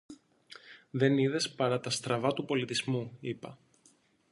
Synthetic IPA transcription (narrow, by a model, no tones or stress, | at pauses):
ðe̞niðe̞spɐɾɐt̪ɐst̪ɾɐvɐt̪upo̞lit̪izmuipɐ